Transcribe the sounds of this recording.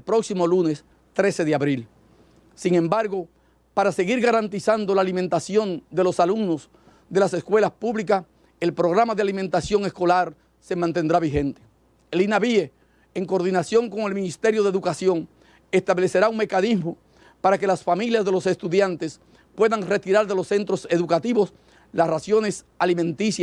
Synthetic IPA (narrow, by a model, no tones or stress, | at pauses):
elpɾoksimo̞lune̞s | t̪ɾe̞se̞ðeaβɾil | siŋẽ̞mbaɾɣo̞ | paɾase̞ɣiɾɣaɾant̪isand̪o̞laːlimẽnt̪asjo̞nd̪e̞lo̞salumno̞s | d̪e̞laseskwe̞laspuβlikas | elpɾo̞ɣ̞ɾamaðealimẽnt̪asjo̞ŋe̞sko̞laɾ | se̞mãnt̪e̞nd̪ɾaβihe̞nt̪e̥ | elinaβie | eŋko̞ɾðinasjo̞ŋko̞ŋe̞lmĩnist̪e̞ɾjo̞ðeðukasjo̞ŋ | e̞st̪aβle̞se̞ɾauŋme̞kanizmo | paɾake̞lasfamiljazðelo̞se̞st̪uðjant̪e̞s | pwe̞ðaŋre̞t̪iɾaɾðe̞lo̞sːe̞nt̪ɾo̞se̞ðukat̪iβo̞s | lasrasjo̞ne̞s | alimẽ̞nt̪isja